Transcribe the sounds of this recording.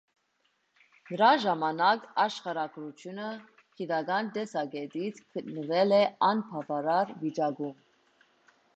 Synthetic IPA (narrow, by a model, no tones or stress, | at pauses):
nəɾɑʒɑmɑnɑkɑʃχɑɾɑɡɾut̪ʰjunə | kʰid̪ɑɡɑnt̪ɛsɑɡɛt̪it͡sʰkʰət̪nəvɛlɛɑnpʰɑvɑɾɑɾvit͡ʃɑɡum